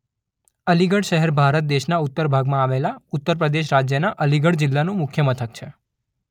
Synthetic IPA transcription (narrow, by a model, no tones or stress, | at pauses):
əliɡəɽʃəɦɛɾbʱaɾət̪̚d̪eʃnaʊt̪ːəɾbʱaɡmãaʋelaʊt̪ːəɾpɾəd̪eʃ̬ɾad͡ʒjənaʔəliɡəɽd͡ʒɪlːanũmʊkʰjəmət̪ʰək̚t͡ʃʰe